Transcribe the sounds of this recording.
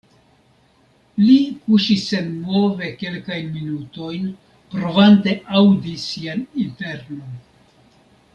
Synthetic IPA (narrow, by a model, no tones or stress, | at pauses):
likuʃisːe̞nmo̞ve̞ke̞lkajnminuto̞jn | pɾo̞vante̞ʔawdisianinte̞ɾno̞n